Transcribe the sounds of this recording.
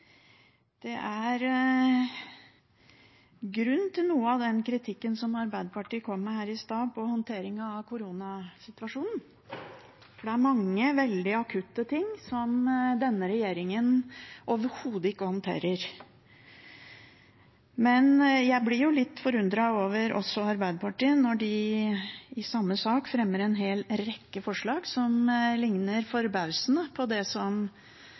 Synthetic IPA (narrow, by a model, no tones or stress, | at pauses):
d̪̥ɛʔæɾ | ɡɾʉnːt̪ʰɪlnuːəɑʋd̪ɛnkʰɾɪt̪ʰɪkːənsɔmɑɾbæɪd̪əpʰɑʈiːkʰɔmːəhæːɾɪst̪ɑːpʰɔhɔnt̪ʰeːɾɪŋɑʋkʰʊɾuːnɑsɪt̪ʋɑʂuːnn̩ | fɔɖɛæɾmɑŋːəʋɛld̪ɪɑkʰʉt̪ːət̪ʰɪŋːsɔmd̪ɛnːəɾɛjeːɾɪŋənʔoːʋəɾhuːd̪əɪkːəhɔnt̪ʰḛːɾəɾ | mɛnjæɪblɪɾjʊlɪt̪ːfɔɾʉnd̪ɾɑoːʋəɾʔɔ̰sːɔɑɾbæɪd̪əpʰɑʈiːənːɔɖɪ | ɪsɑmːəsɑːkfɾɛmːəɾɛnɦeːlɾɛkːəfɔʂɭɑːɡsɔmlɪŋnəɾfɔɾbɑʉsənəpʰɔd̪ɛsɔm